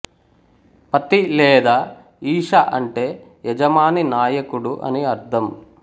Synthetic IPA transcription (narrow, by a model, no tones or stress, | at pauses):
pɐt̪ilɛːd̪aː | iːʂaʔɐɳʈe̞ː | jɛd͡ʒɐmaːninaːjɐkuɽuʔɐ̰niɐɾd̪ʰʱɐm